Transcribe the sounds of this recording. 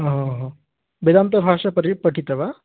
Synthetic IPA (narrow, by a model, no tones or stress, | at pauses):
ɦõɦ | bed̪amt̪ɐbʱaːʂɐpɐɾipɐʈʰit̪ɐʋa